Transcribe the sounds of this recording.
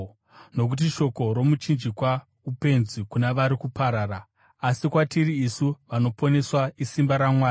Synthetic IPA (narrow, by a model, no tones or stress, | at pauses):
no̞k̬ut̬iʃo̞ko̞ɾo̞mut͡ʃind͡ʒikwa | upe̞nzikunaʋaɾikupaɾaːɾaː | sikwatiriːsuʋano̞po̞ne̞swaisimbaɾamwaː